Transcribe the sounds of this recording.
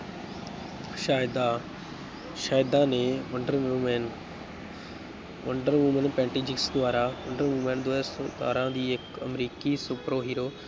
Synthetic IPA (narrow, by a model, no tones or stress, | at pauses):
ʃaːjd̪a | ʃaːjd̪anẽʋɐ̃ɳɖəɾumen | ʋɐ̃ɳɖəɾʋuːmə̃npɛ̃ːɳʈid͡ʑɪksd̪ʊʋaːɾaʋʊ̃ɳɖəɾʋuːmẽnd̪oesod̪a̰ːɾãd̪iːɪkɐmɾiːkisʊpɾoɦiːɾoː